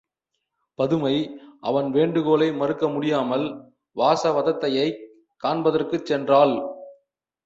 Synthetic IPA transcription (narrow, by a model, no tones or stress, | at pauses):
pɐðɯmɐɪʔɐ̰ʋɐnʋeːɳɖɯɣoːlɐɪmɐɾɯkːɐmʊɽɪjaːmɐl | ʋaːsɐʋɐðɐt̪ːɐjɐɪ | kaːɳbɐðɐrkɯt͡ʃːɛndraːl